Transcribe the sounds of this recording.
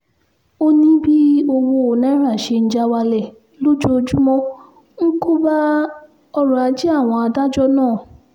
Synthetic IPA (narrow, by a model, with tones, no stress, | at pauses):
o˦nĩ˦bi˦o˧wo˧o˨nɛ̃˨˦ɾa˦˨ʃe˧n̩˨˦d͡ʒa˦wa˧lɛ˨ | lo˦d͡ʒo˧˦˧d͡ʒu˦mɔ̃˦ | ŋ̩˦ko˦ba˦ | ɔ˧ɾɔ̃˨a˨˧˦d͡ʒi˦a˦˨w̃ɔ̃˧a˧da˦d͡ʒɔ˦nãː˦˨